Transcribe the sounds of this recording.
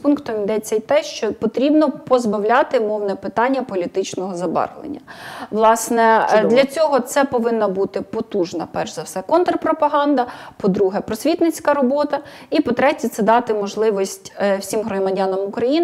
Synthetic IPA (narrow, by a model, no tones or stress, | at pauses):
punkt̪ɔmid̪ɛt͡sʲːɛit̪ɛʃt͡ʃɔpɔt̪ɾʲibnɔpɔzbɐwlʲɑt̪ɪmɔwnɛpɪt̪ɑnʲːɐpɔlʲit̪ɪt͡ʃnɔɦɔzɐbɑ̰rlˠḛnʲːɐʋlˠɑsnɛd̪lʲɐt͡sʲɔɦɔt̪sɛpɔʋɪnːɐbut̪ɪpɔt̪uʒnɐpɛrʃzɐwsɛkɔnt̪rpɾɔpɐɦɑnd̪ɐpɔd̪ɾuɦɛpɾɔsʲʋʲit̪nɪt͡sʲkɐɾɔbɔt̪ɐ | ipɔt̪ɾɛtʲit̪sɛd̪ɑt̪ɪmɔʒlˠɪʋɔsʲtʲwsʲimɦɾɔmɐdʲanɐmʊkɾɐjin